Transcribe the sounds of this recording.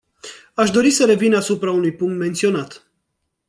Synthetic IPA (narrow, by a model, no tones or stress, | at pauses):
aʃd̪o̞ɾisəɾe̞vinasupɾaunujpuŋkt̪me̞nt̪sio̞nat̪